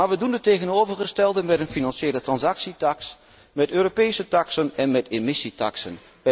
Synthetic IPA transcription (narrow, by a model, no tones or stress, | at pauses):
aːɹʋədundətejɣənoːvərχəstɛlˠdəmɛtənfinɑnʃjeːlətrɑnsɑksitɑks | mɛtøːropejsətɑksənɛnmɛtɪmɪsitɑ̰ksən